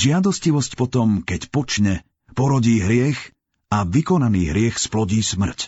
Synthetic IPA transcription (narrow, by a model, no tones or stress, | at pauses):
ʒɪad̪ɔsciʋɔscpɔt̪ɔmkɛcpɔt͡ʃɲɛ | pɔɾɔɟiːɦɾɪɛx | aʋikɔnaniːɦɾɪɛxsplɔɟiːsmr̩c